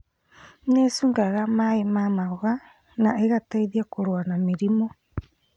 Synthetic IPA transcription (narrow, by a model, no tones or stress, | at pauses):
nesuŋɡaɣamaemamaoɣa | naʔeɣatajðiakoɾoanamiɾimo